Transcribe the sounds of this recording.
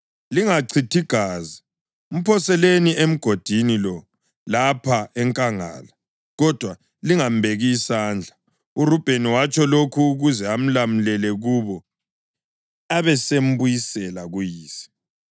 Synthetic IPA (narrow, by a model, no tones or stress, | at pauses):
liŋaǀʰitʰiɡ̥ʱaːzi | um̩pʰɔsɛleniem̩ɡ̥ʱod̥ʱinilɔ | lapʰaɛŋkʼaŋa̰ːla | ɣɔd̥ʱwa | liŋambʱeɣisaːnd͡ɮʱa | urub̥ʱeniwat͡ʃʼɔlokʰuːɣuzɛam̩lamulɛlɛɣuβɔ | aβɛsem̩bujisɛlaɣujiːsi̥